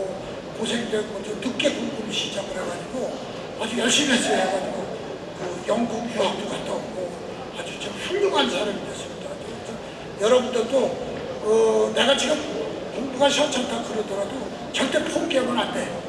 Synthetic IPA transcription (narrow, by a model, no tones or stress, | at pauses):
ʌ | kosʰeŋidemʌd͡ʑonuk̚k͈e̞kuŋɡumiɕʰid͡ʑaɡɯɾaɡad͡ʑiɡo | ad͡ʑujʌɭɕ͈imias͈ʌaɡad͡ʑiɡo | kɯjʌŋɡukjuɦak̚t͈oɡatʰʌmʌ | ad͡ʑut͡ɕiɡɸuʎːuɡɦansʰaɾamiʌs͈ɯmɲidad͡ʑiʌtʰʌn | jʌɾʌbundʌt͈o | ʌne̞ɡat͡ɕiɡɯm | koŋbuɡaɕʰʌt͡ɕʰaŋtʰakɯɾʌdʌɾado | t͡ɕʌɭt͈e̞pʰomkeɡʌnɦande